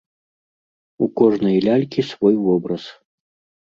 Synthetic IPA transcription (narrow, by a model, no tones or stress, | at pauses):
ukɔʐnɐjlʲalʲkʲisvɔjvɔbɾɐs